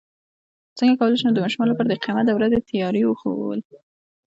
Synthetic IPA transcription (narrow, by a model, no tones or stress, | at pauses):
t͡səŋɡakawəlajʃenod̪əmɑʃmɑlopəɾd̪eqimat̪awɾazet̪ʰijɑɾiwəxo̰wə̰l